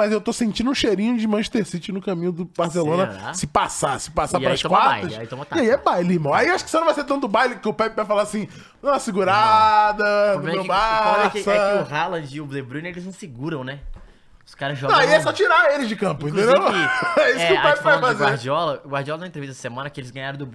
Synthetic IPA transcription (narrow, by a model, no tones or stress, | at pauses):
mɐzewt̪osẽnt͡ʃĩd̪ʊũʃeɾĩɲʊd͡ʒɪmɐ̃ʃt̪eɾsit͡ʃɪnʊkamĩɲʊd̪ʊbahselõnɐsɪpasasɪ̥pasaaɾɐiskwat̪ɐait̪ɐ̃mɐt̪iaiɛbajlɪihmɐ̃w̃aiewaʃʊ̥kɪ̥senɐ̃vajset̪ɐ̃t̪ʊbajlɪkɪʊpapɪvajfalaasĩ | asɪɡuɾad̪ɐmewbasɐʊɦalɐ̃d͡ʒɪʊblebɾũnelɪzĩsɪɡuɾɐ̃w̃nɛ | ʊskaɾɐzʒɔɐ̃aiɛsɔt͡ʃiɾaelɪzd͡ʒɪkɐ̃mpʊẽt̪ẽnd̪ewɛisʊkkɪʊppvajfazead͡ʒiɔlɐɡwaɾd͡ʒiɔlɐnãɐ̃ẽt̪ɾevit̪ɛsɐ̥semɐ̃nɐkɪelɪzɡɐ̃ɲaɾɐ̃w̃d̪ʊb